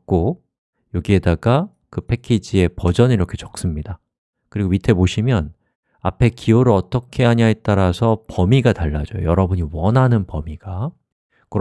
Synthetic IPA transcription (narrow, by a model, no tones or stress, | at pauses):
k͈o | jʌɡie̞daɡa | kɯpʰe̞kʰid͡ʑie̞pʌd͡ʑʌniɾʌkʰe̞t͡ɕʌ̥k̚s͈ɯmɲida | kɯɾiɡomitʰe̞boɕʰimjʌn | a̰pʰe̞kʰioɾɯɭʌt͈ʌkʰe̞ɦaɲaet͈aɾasʰʌpʌmiɡataɭːad͡ʑʌjo̰jʌɾʌbuɲiwʌnɦanɯnpʌmiɡ̥a | kɯɾ